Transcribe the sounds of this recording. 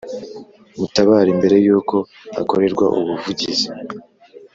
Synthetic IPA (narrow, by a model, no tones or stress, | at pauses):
mutaβaːɾimbe̞ɾe̞juːko̞ | a̰ko̞ɾe̞ɾɡwa̰ʔṵβuvuɟizi